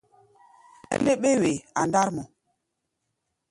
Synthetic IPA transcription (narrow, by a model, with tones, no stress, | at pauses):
ḛ˦nde˦ɓe˦we˨a˨nda˦ɾmɔ˨